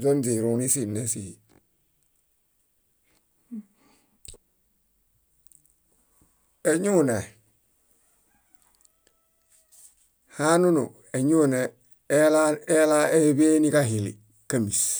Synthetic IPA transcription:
zo˦ndi˨ɾu˨ni˦si˦nːe˦si˨hi˨ | e˨ɲu˦ne˨ | ha˦nu˦nṵ˨ | e˨ɲu˦ne˨˦ | lae˦la˦e˦be˦ni˦ka˦ɦi˨lḭ˨ | ka˦mi˨s

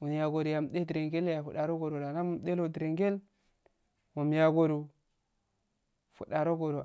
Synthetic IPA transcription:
wu˨nja˨ɡo˨ɾu˨ja˨m˨de˦di˨ɾe˨ŋɡe˦lja˨fu˨ɗa˨ɾo˦ɡo˨ɾo˨ɾa˨na˦mu˨mɗe˦lo˨dɾe˨ŋɡe˦l | mu˨m˦ja˨ɡo˨ɾu˨ | fṵ˨ɗa˨ɾo˦ɡo˨ɾo˨

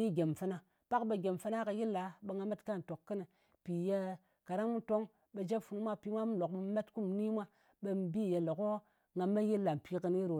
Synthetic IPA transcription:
i˦ɡʲe˨mfɨ˦na˨ | pa˦kɓe˨ɡʲe˨mfɨ˦na˦ka˧ji˦lːa˨˦ɓe˧ŋɡa˧me˦tka˦˨n˨to˨kːɨ˦nɨ˨ | pi˨je˧ | ka˨ɾa˦ŋmu˦to˦ŋ | ɓe˧d͡ʒe˦pfu˨nu˦mʷa˦pi˦mʷa˦m˦lo˨k̚mu˦me˦tku˦m˨ni˦mʷa˦ | ɓe˧m˨bi˦˨je˨lo˨ko˦ | ŋɡa˨me˦ji˦lːa˨m̩˨pʰi˦kɨ˧ni˦ɾo˨

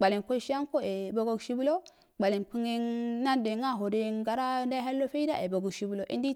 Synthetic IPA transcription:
ɡ͡ba˨li˨nko˦ʃi˦a˦ŋko˦e˨bo˨ɡo˨ɡʃi˦bu˦lo˦ | ɡ͡ba˨li˨npi˦ŋe˦nna˦nde˨ŋa˦˨ɦo˨de˨˦ŋɡa˨ɾa˦nda˦ɦa˦lːo˦fe˦i˦da̰˦ʔe˨bo˨ɡu˨ʃi˦bu˦lo˨ʔḭ˦ndi˦

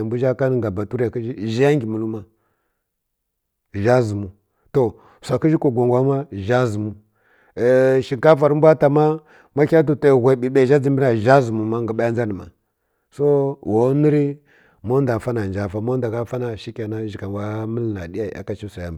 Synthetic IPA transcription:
a˨mbu˦ʒa˦ka˦n˨ŋɡa˨ba˨tu˦ɾja˨ki˦i˦ʒa˦ŋɡʲi˨mu˨lu˦ma˦ | ʒa˦zu˨mu˨ | to˦˨ | sʷa˨ki˦ʒi˦ko˨ɡʷa˨ŋɡʷa˦ma˦ʒa˦zu˨mu˦˨ | ʃi˨ŋka˦fa˨ɾi˦mbʷa˦ta˨ma˦ | ma˦kʲa˦t̬u˨ta˨ɣʷe˨bi˨ɓe˦˨ʒa˦d͡zi˨mbi˦na˨ʒa˦zu˨mu˨ma˦ŋɡa˨ɓa˦ja˦n˦za˦ni˨ma̰˨ | so˦wo˨˦ni˦ɾi˦ | mo˦n˦da˨fa˦na˨d͡ʒa˨fa˨mo˦n˦da˨ka˦fa˦na˨ʃi˦kʲa˨na˦ʒi˨ka˨wa˦mə˦lna˨di˦ja˨i˨ʔa̰˨ka˦t͡ʃi˦sa˨ja˦m˨

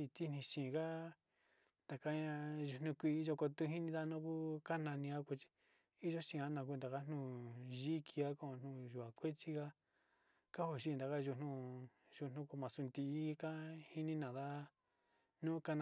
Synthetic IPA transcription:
i˧t̪i˦n̥ĩ˧ʃĩː˨ka˦ | nd̪a˨ka˦ɲã˧ʒu˧n̥ũ˧kʷi˧i˦ʒo˧ko˧t̪u˦ɦi˦nĩ˦˧ða˦nũ˦ku˦ka˦nã˧nĩ˧a˦ku˧t͡ʃi̥˧ | i˦ʒo˦ʃĩ˧a˦nã˧k̬u˧nd̪a˨ka˦n̥nũ˧˨ʒi˦kʰi˧a˦ko˦o˧n̥nũ˧˨ʒu˨a˨kʷe˦t͡ʃi˦ka˦ | ka˦ho˧˨ʃi˦˧nd̪a˨ka˦ʒu˧˨nũ˧ | ʒu˧n̥ũ˧ku˧mã˨su˧nd̪iː˧˦kã˦hi˦nĩ˦nã˨ða˦ | nũː˦ka˦nã˧

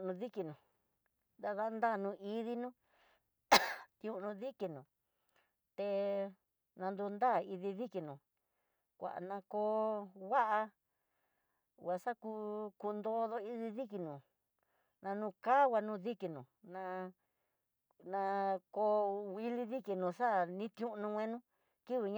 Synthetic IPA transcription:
nũ˧ði˦ki˧nũ˨ | d̪a˧ða˦nd̪a˦˨nũ˧i˧ði˧nũ˦ | t̪ũ˧nũ˧ði˦ki˧nũ˨ | t̪e˧ | nã˧nd̪u˧nd̪aː˦˨i˧ði˧ði˦ki˧nũ˨ | kʷa̰˨ʔa̰˨nã˧ko˧wa˦ʔa˧ | wa˧sa˦ku˧ku˧nd̪o˦ðo˧i˦ði˧ði˦ki˧nũ˨ | nã˧nũ˧ka˦wʷa˧nũ˧ði˦ki˧˨nũ˨nã˧ | nã˧ko˧wi˧li˧ði˦ki˧˨nũ˧ʂa˦˨nĩ˦t̪ũ˦˧nũ˧wʷẽ˧nũ˦ | ki˦βi˨ɲ˦

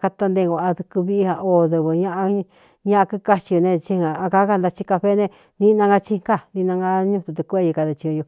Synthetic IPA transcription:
ka˧t̪a˧nd̪e˧ɡʷa˧˨a˧ðu˧ku˧βi˦i˦˧ha˧o˧˨ðɨ˧βɨ˨ɲã˦ʔa˧ | ɲã˦ʔã˧kɨ˦ka˦t͡ʃi˧jo˧nẽ˧t͡ʃi˧ã˨a˧ka˦ka˧nd̪a˧t͡ʃi˦ka˧ɸe˦nẽ˧ | nĩ˦˧nã˧ŋɡa˧t͡ʃi˦ka˦˨ni˧nã˧ŋɡa˧ɲũ˦˧t̪u˧t̪u˧ku˧e˦˧ji˧ka˧ðɨ˧t͡ʃĩ˧õ˧jo˧

